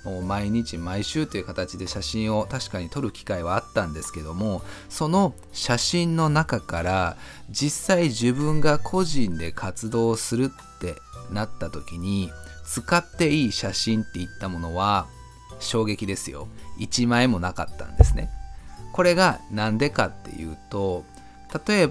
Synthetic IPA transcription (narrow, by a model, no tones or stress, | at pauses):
moːmaiɲ̟it͡ɕimaiɕɨːt̪ːeiɯ̟kat̪at͡ɕid̪e̞ɕaɕĩɰ̃o̞t̪aɕi̥kaɲ̟it̪o̞ɾɯ̟kʲi̥kaiβaːt̪ːãnd̪e̞sɨ̥ke̞d̪o̞mo̞so̞no̞ | ɕaɕĩnːo̞nakakaɾa | d͡ʑisːaiʑɨbɯ̟̃ŋɡakʰo̞ʑĩnd̪e̞kʰat͡sɨd̪o̞ːsɨɾɯ̟t̪ːe̞ | nat̪ːat̪o̞kʲiɲ̟it͡sɨkat̪ːe̞iːɕaɕĩnt̪ːe̞it̪ːamo̞no̞βa | ɕo̞ːɡe̞kʲid̪e̞sɨjo̞̰it͡ɕimaemo̞naka̰t̪ːã̰nd̪e̞sɨne̞̰ko̞ɾe̞ɡanãnd̪e̞kat̪ːe̞̰jɯ̟̰ːt̪o̞ | t̪at̪o̞e̞b